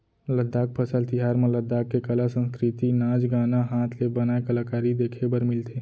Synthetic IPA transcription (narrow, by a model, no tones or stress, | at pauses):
ləd̪ːaːk̚pʰəsəlt̪iɦaːɾmẽləd̪ːaːkːekəlasə̃nskɾɪt̪inaːd͡ʒɡaːnaɦaːt̪ʰlebənaːekəlaːkaːɾid̪eːkʰebəɾmɪlt̪ʰe